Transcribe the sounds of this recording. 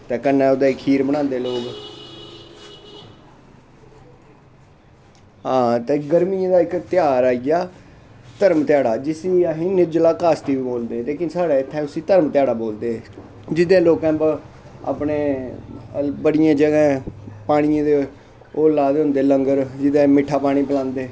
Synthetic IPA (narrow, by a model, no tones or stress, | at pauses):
t̪ɛ̃ːkənɛ̃ːod̪aːɪkʰiːɾbəɽ̃ãːnd̪eːloːk | ɦãːt̪ɛːɡəɾmiãd̪aːɪkt̪ɪjaːɾaːiɡaːt̪əɾmt̪ɪjaːɽaːd͡ʒɪsiːaɦiːnɪɾd͡ʒlaːkaːst̪iːʋiːboːld̪ẽːleːkɪnsaːɽaːɪt̪ʰːɛ̃ːʊsĩːt̪əɾmt̪ɪjaːɽaːboːld̪eːɛ̃ | d͡ʒɪd̪ẽːloːkɛ̃ːb | a̰ːpɳeː | bəɽɪjãːd͡ʒəɡɛ̃ːpaːɽ̃ɪjãːd̪eː | oːlaːd̪eːɦʊ̃nd̪eːləŋɡəɾd͡ʒɪd̪ẽːmɪʈʰːaːpaːɽ̃iːpəlãːnd̪eː